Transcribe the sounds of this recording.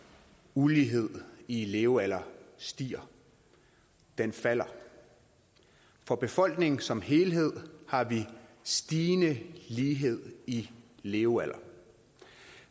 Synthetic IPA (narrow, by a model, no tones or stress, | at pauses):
uliːɦe̝ð̰ˠile̝ːʊælɐsd̥ḭːɐ | d̥enfæl̰ɐ | fɒ̽b̥e̝fɒ̽l̰ɡ̥ne̝ŋn̩sɒ̽mɦe̝ːlɦe̝ð̞̰ˠhɑ̈ʋisd̥iːnəliːɦe̝ð̞̰ˠileːʊælʔɐ